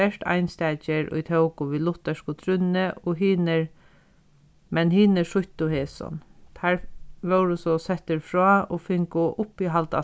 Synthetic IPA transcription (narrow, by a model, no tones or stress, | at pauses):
ɛʂʈ̪a̰ɪnst̪ɛːt͡ʃɪɹʊ̰jt̪ʰœwkʊʋiːlʊt̪ɛʂkʊt̪ʰɾʏnːɪʔɔɦiːnɪɹ | mɛnhiːnɪʂʊht̪ʊheːsɔ̰nt̪ʰæːɹʋœwɾʊsɔsɛht̪ɪɹfɹɔːɔfɪŋkʊʔʊpːiɦalt̪a̰